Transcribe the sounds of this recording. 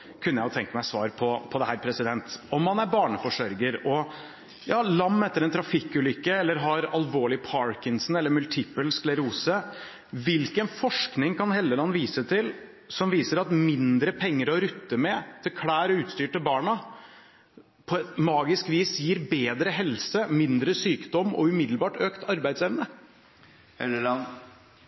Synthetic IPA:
kʰʉnːəjæɪhɑt̪ɛŋkəmæɪsʋɑːɾpʰɔpʰɔd̪ɛhæːɾpʰɾɛsɪd̪ɛnt̪ɔmːɑnæɾbɑːɳəfɔʂœɾɡəɾɔ | jɑːlɑmːɛt̪ːəɾɛnt̪ʰɾɑfɪkːʉlʏkːəɛlːəɾɦɑɾɑlʋoːɭɪpʰɑɹkɪnsn̩ɛlːəɾmʉlt̪ʰɪpːəlsklɛɾuːsə | ʋɪlkənfɔʂknɪŋkɑnhɛld̪əlɑnːʋiːsət̪ʰɪl | sɔmʋiːsəɾɑt̪mɪnd̪ɾəpʰɛŋːəɾɔɾʉt̪ːəmɛt̪ʰɪlkʰɽæːɾɔʉːt̪st̪yːʈəbɑːɳɑ | pʰɔɛmɑːɡɪskʋiːsjiːɾbeːd̪ɾəɦɛlsəmɪnd̪ɾəsyːkd̪ɔmːɔ̰ʉmɪd̪l̩bɑːʈøːkt̪ʰɑɾbæɪd̪sɛʋnə | ɛl

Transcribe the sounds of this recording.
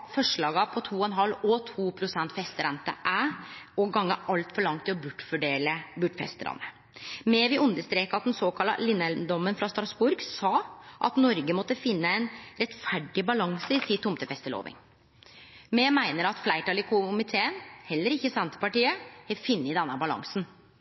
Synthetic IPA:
fɔʂɭɑːɡɑpʰɔt̪ʰuːɔɛnɦɑlːɔt̪ʰuːpʰɾʊsɛnt̪fɛst̪əɾɛnt̪ə̰ʔæɔɡɑŋːəʔɑlt̪fɔɭɑŋt̪ʰːɪlɔbʉʈːfɔɖeːləbʉʈfɛ̰st̪əɾɑ̰nːə | mɛʋɪʔʉnd̪əst̪ɾeːkɑt̪̚d̪ɛnsoːkʰɑlːɑ̰lɪnːɛld̪ɔmənfɾɑst̪ɾɑsbʊɾɡsɑːʔɑ̰t̪nɔɾɡəmɔt̪ːəfɪnːəɛnɾɛt̪fæɖɪbɑlɑŋsəɪsit̪ʰːʊmt̪əfɛst̪əɭo̰ːʋɪ̰ŋ | mɛmæɪnəɾɑt̪flæɪʈɑːlɪkʰʊmɪt̪ʰeːənhɛlːəɾɪçːəsɛnt̪ə̥pɑʈiːəɛfɪnːəɪd̪ɛnːəbɑlɑ̰ŋsn

